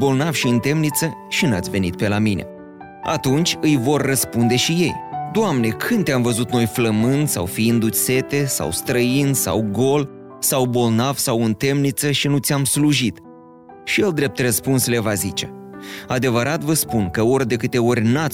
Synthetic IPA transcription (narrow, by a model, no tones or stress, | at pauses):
bo̞lnavʃiɨnt̪e̞mnit̪səʃina̰t̪ʲve̞nit̪̚pe̞lamine̞̰ | a̰t̪unt͡ʃʲɨjvo̞rːəspund̪e̞ʃije̞jd̪oamne̞kʰɨnd̪ʲamvəzut̪no̞jfləmɨnd̪sa̰wfiind̪use̞t̪e̞sa̰wst̪ɾəinsa̰wɡo̞l | sawbo̞lnavsawɨnt̪e̞mnit̪səʃinut̪sʲamsluʒit̪ | ʃije̞ld̪ɾe̞p̚t̪rəspunsle̞vazit͡ʃe̞ad̪e̞vəɾʔat̪vəspunkəo̞rʲd̪e̞kɨt̪e̞o̞rʲna